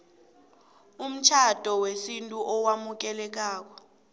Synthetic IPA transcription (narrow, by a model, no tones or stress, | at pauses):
um̩t͡ʃʰad̥ʱɔwesintʼuʔɔwamuk̬ɛlɛk̬aːk̬ɔ̥